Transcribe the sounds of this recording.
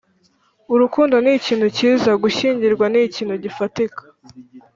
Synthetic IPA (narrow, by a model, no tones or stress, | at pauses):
uɾukuːndoniciːn̥huciːzaɡuʃiːɲɟiɾɡwaniciːnhuɟifatikḁ